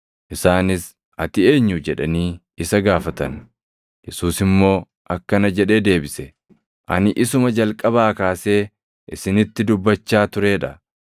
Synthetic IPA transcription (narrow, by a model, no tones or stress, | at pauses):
ʔɪsaːnɪs | ɐt̪ɪeːɲːud͡ʒɛᶑɐniː | ɪsɐɡaːfɐt̪ɐn | jɛsuːsɪmːo̞ː | ʔɐkːɐnɐd͡ʒɛᶑe̞ːd̪e̞ːbɪsɛ | ʔɐ̰nɪʔɪsʊmɐd͡ʒɐlkʼɐβaːkaːse̞ː | ʔɪsɪnɪt̪ːɪd̪ʊbːɐt͡ʃːaːt̪ʊɾe̞ːᶑɐ